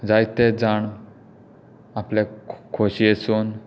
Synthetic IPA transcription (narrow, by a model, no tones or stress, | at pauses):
d͡zajt̪ed͡zaɳ | aplekʰoɕieson